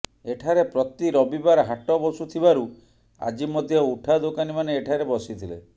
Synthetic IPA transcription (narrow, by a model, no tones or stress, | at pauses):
eʈʰaɾepɾɔt̪iɾɔbibaɾɦaʈɔbɔsut̪ʰibaɾu | a̰d͡ʒimɔd̪ʱjɔuʈʰad̪okanimaneːʈʰaɾebɔsit̪ʰilḛ